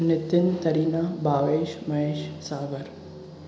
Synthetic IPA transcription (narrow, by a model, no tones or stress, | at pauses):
nit̪ːint̪ɐɾinabaːʋeːʃmɐɦeːʃsaːʋɐɾ